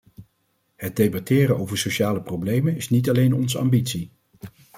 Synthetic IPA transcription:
ɦəd̚dejbɑtɪːɾəowvəɹsoʃaːləprowblejmənɪsnitɑlejnɔnzəɑ̰mbitsi

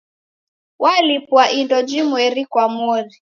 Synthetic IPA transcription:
wʔalipwaʔindɔd͡ʒimwɛɾikwamwɔɾi

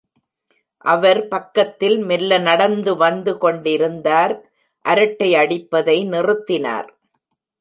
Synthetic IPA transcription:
ʔɐʋɐɾpɐkːɐt̪ːɪlmɪlːɐnɐɽɐnd̪ɯʋɐnd̪ɯkɔɳɖɪɾɯnd̪aːɾ | ʔɐɾɐʈːɐɪɐɽɪpːɐðɐɪnɪrɯt̪ːɪna̰ːɾ

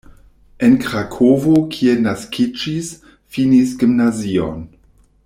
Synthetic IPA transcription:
enkɾakʰovokʰienaskʰid͡ʒis | finisɡimnazio̰n

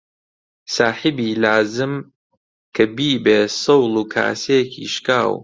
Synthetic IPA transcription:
saːħɪbiːlaːzɨm | kʰɐbiːbeːsɨwlˠuːkʰa̰ːseːkʰḭʃkaːw

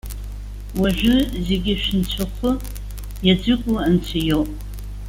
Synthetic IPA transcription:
waʒᶣʷʊze̞ɡʲɪʃɪnt͡ɕʷʰaχʷʰʊ | jad͡zʷɨkʷʼʊant͡ɕʰajowpʼ

